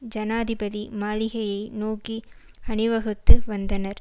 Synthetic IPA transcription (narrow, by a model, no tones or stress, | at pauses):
d͡ʒɐnaːðɪbɐðimaːlɪɣɐjɐɪnoːki | ɐɳɪʋɐɣɯt̪ːɯʋɐnd̪ɐnɐɾ